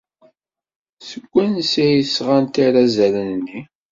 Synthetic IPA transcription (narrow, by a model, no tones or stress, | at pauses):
səɡʷːænsijəsʁant̪iɾazælənnːi